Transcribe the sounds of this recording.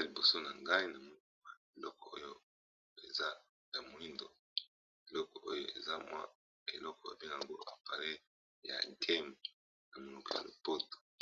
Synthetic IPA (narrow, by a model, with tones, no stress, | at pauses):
a˦li˨bo˨so˦na˨ŋɡa˦i˦na˨mo˨˦˨a˨e˨lɔ˦kɔ˨o˦jo˦ | e˨za˦ | ja˨mo˨li˦ndo˨ | e˨lɔ˦kɔ˨ʔo˦jo˦e˨za˦mwa̰˦ | e˨lɔ˦kɔ˨a̰˨bi˦˨a˨ŋɡo˦ʔa̰˨pa˨le˦ | ja̰˨tʰɛ˦m˨ | na˨mo˨lu˨kɔ˨ja̰˨lo˨po˦to̥˨